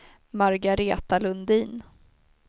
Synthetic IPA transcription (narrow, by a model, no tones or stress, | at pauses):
maɾɡaɾeːt̪alɵnd̪iːn